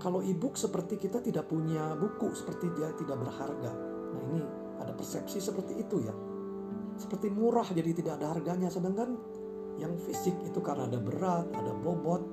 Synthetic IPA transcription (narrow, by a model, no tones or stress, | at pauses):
kalowibʊksəpərt̪ikit̪at̪idaʔpuɲabukusə̥pərt̪idiat̪idaʔ̚bərharɡa | na̰ini | adapərsɛpsisəpərt̪iːt̪uja̰ | sə̥pərt̪imuɾahd͡ʒadit̪idaʔadaɦarɡaɲasədaŋkan | jaŋfisɪkit̪ukaɾənaːdabəɾat̪̚adabobɔt̪̚